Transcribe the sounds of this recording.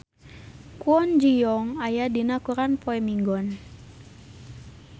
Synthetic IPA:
kuɔnd͡ʒijɔŋajadinakuɾanpɔɛmiŋɡɔn

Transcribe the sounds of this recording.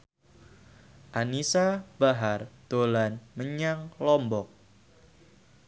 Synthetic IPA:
ʔanisab̥aɦard̪̥o̤lanməɲaŋlɔmbɔk̚

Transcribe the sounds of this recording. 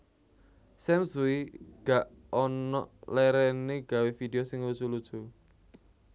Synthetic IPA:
sɛmsuiɡ̥aʔ | ɔnɔʔlɛɾɛneɡ̥ä̤wefideosɪŋlusulud̥ʒ̥u

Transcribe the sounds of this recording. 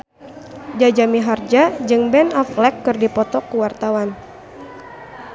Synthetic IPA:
d͡ʒad͡ʒamiɦard͡ʒad͡ʒɨŋbɛnɔflɛkːɨrdipɔt̪ɔkuwart̪awan

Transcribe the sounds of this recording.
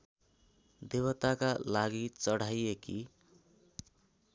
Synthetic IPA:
d̪ewʌt̪akalaɡit͡sʌɽajeki

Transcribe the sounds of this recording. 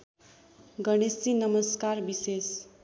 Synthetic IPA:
ɡʌɽ̃esinʌmʌskarbises

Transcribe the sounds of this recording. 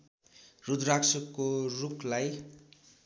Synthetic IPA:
rud̪raksʌkːorukʰlaj

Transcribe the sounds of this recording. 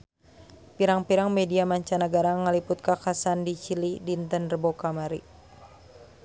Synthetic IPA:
piɾaŋpiɾaŋmɛdiamaɲt͡ʃanəɡaɾaŋəlipʊt̪̚kakasandit͡ʃilidint̪ənrəbokamaɾi

